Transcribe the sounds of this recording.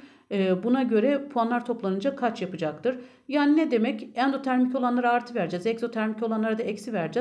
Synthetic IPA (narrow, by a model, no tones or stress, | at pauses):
ɯːbunaɟø̞ɾɛpʰuanlˠaɾt̪ʰo̞plˠanɯnd͡ʒakʰat͡ʃjapɯd͡ʒak̚t̪ʰɯɾ | jaːninɛd̪e̞mɛcænd̪o̞t̪ʰæɾmico̞lˠanlˠaɾaːɾt̪ʰɯvæɾd͡ʒɛzɛkso̞t̪ʰæɾmico̞lˠanlˠaɾad̪aɛcsivæɾd͡ʒɛ